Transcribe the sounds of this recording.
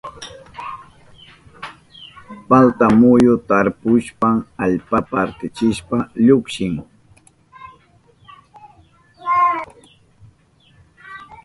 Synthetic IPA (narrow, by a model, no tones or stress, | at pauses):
palt̪amʊjʊt̪aɾpʊʃpaŋaʎpapaɾt̪ɪt͡ʃɪʃpaʎʊkʃɪŋ